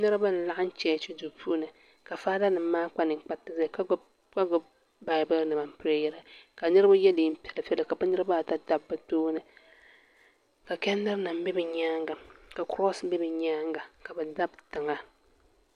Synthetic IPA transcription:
nɨ˦ɾɨ˦ba˦n˨la˦ʔn̩˦t͡ʃɛ˨˦t͡ʃi˦du˨pʰu˦nɨ˨ | ka˨faː˦da˦nɨ˨m̩ː˦aː˦k͡pa˦nɨ˨ŋ̩˨k͡pa˦tːɨ˨za˦˨k | ka˦ɡʊ˦b | ba˨˦bɨ˦nɨ˨ma˨m̩˨pɨ˦ɾa˦jɛ˦ɾa˨ka˨nɨ˦ɾɨ˦ba˦jɛ˦diː˦m̩˦pʲɛ˨lɨ˨fɛ˦lɨ˨ka˨bɨ˦nɨ˦ɾɨ˦ba˦˨ta˦da˦bːɨ˨doː˦nɨ˨ | ka˨kɛ˦nːɨ˦ɾna˨m̩˦bɛ˦bɛ˨ɲaː˦ŋɡa˨ka˨kɾɔ˦sbɛ˦bɛ˨ɲaː˦ŋɡa˨ka˨bɛ˨da˦btɨ˨ŋa˦

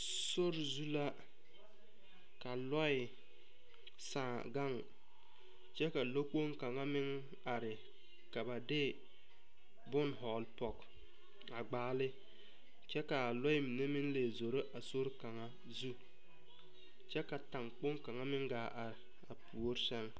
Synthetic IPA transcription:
so˦ɾzu˦la˦ | ka˨lɔ˦ɪ˨ | sãː˨ | ɡa˦˨ŋ | t͡ʃɛ˦ka˨lo˦k͡po˦ŋka˨ŋa˦mɪ˦ŋ | a˨ɾɪ˨ | ka˨ba˨dɪ˦ | bʊ˦nɦɔ˨lpɔ˨k | a˨ɡ͡baː˨˦lɪ˦ | t͡ʃɛ˦ka˨lɔ˦ɪ˦mi˨ne˦mɪ˦nle˨zo˨ɾe˦ʔa˨so˦ɾka˨ŋa˦ | zu˦ | t͡ʃɛ˦ka˨ta˨ŋk͡po˦ŋka˨ŋa˦mɪ˦ŋɡaː˨ʔa˨ɾɪ˨ | a˨pʰu˨o˦ɾsɛ˦ŋ

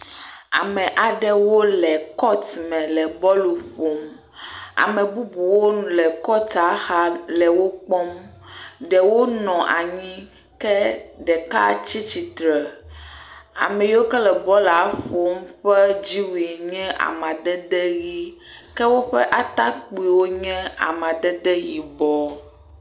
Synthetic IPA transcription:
a̰˨mɛ̃˨ʔa˨ɖɛ˦wo˦lɛ˨kɔ˦t̪mɛ̃˨lɛ˨bɔ˦lu˨ɸo˨m | a̰˨mɛ̃˨bu˦bu˨wo˦˨lɛ˨kɔ˦t̪a˦xa˦lɛ˨wo˦k͡pɔ˦m | ɖɛ˨wo˦nɔ̃˨ʔa˨ɲĩ˦ | kɛ˦ɖɛ˨ka˦t͡ɕi˦t͡ɕi˨t̪ɾɛ˨ | a̰˨mɛ̃˨jo˦kɛ˦lɛ˨bɔ˦la˨˦ɸo˨˦mɸɛ˦d͡ʑi˦wi˨ɲɛ̃˦ʔa̰˨mã˨d̪ɛ˦d̪ɛ˦ɣi˦ | kɛ˦wo˦ɸɛ̰˦ʔa˦t̪a˦k͡pi˨wo˦ɲɛ̃˦a̰˨mã˨d̪ɛ˦d̪ɛ˦ji˨bɔ˦

